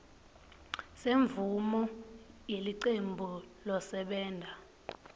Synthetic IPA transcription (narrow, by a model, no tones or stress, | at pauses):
seɱvumɔjeliǃembʱulɔsɛɓɛːndʱa